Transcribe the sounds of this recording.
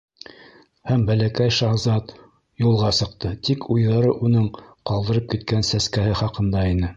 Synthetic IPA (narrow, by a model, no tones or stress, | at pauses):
hæmbælækæjʃɑʁzɑt̪ | julˠʁɑsɤ̆qt̪ɤt̪ikʰujðɑɾɤʔunɤɴqɑlˠd̪ɤ̆ɾɤp̚kit̪̚kænsæskæhɘχɑqɤ̆nd̪ɑinɘ